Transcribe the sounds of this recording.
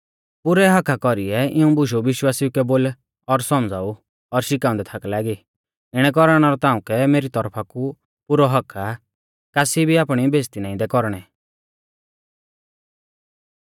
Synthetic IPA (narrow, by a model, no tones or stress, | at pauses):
pʊɾɛɦɐkʰːakɔɾiɛɪũbʊʃ̬oʋɪʃwaːsiukɛboːl | ɔɾsɔmd͡zʱaːu | ɔɾʃɪkãːʊ̃nd̪ɛt̪ʰakɛlaːɡi | ɪɽ̃ɛk̬ɔɾaɽ̃aɾɔt̪aːũkɛmeːɾit̪ɔɾpʰaku | pʊɾɔɦɔkʰa | kaːsibʱiaːpɽ̃ibeːst̪inãːĩd̪ɛkɔɾɽ̃ɛ